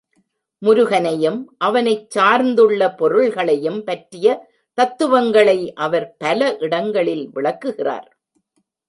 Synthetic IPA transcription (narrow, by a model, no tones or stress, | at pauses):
mʊɾʊɣɐnɐjɯmʔɐʋɐnɐɪt͡ʃːaːɾnd̪ɯɭːɐpɔɾɯɭɣɐɭɐjɯmpɐʈrɪjɐ | t̪ɐt̪ːɯʋɐŋɡɐɭɐɪʔɐʋɐɾpɐlɐʔɪɽɐŋɡɐɭɪlʋɪɭɐkːɯɣɪra̰ːɾ